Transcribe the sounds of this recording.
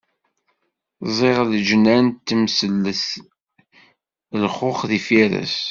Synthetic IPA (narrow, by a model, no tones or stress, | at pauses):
zˤeʁld͡ʒnænt̪ːəmsəlːəθ | lχʊχðifiɾə̰s